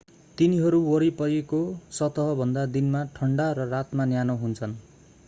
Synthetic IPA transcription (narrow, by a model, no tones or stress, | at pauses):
t̪iniɦʌɾuwʌɾipʌjekosʌt̪ʌɦʌbʱʌnd̪ad̪inmaʈʰʌɳɖaɾʌrat̪manjanʌɦunt͡sʰʌn